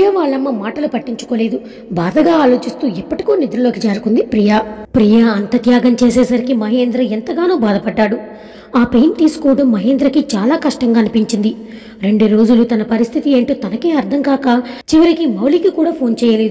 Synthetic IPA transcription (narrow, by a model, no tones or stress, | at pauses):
pijɐʋaːɭːɐmːɐmaːʈɐlupɐʈːiɲt͡ʃu̥ko̞ːle̞ːd̪u | baːd̪ɐɡaːaːlo̞ːt͡ʃist̪uːipːɐʈi̥koːnid̪ɾɐlo̞ːkid͡ʒaːɾukund̪ipɾijapɾijaɐnt̪ɐt̪jaːɡɐmt͡ʃeːseːsɐɾikimɐɦeːnd̪ɾɐent̪ɐɡaːnoːbaːd̪ɐpɐɖːaːɽu | aːpejnt̪iːsu̥koːɽɐmːɐɦeːnd̪ɾɐkit͡ʃaːlaːkɐʂʈɐŋɡaːɐnupiɲt͡ʃind̪i | ɾe̞ɳɖuɾo̞ːd͡ʒulut̪ɐnɐpɐɾist̪ʰit̪ieːɳʈoːt̪ɐnɐke̞ːɐɾd̪ʰʱɐŋkaːkaːt͡ʃiʋɐɾikimɐwlikikuːɽaːpʰo̞ːnt͡ʃɛːjɐle̞ːd̪u